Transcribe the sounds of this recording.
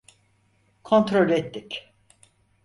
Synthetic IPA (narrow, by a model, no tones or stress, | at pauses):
kʰo̞nt̪ɾolʲɛt̪ːɪcʲ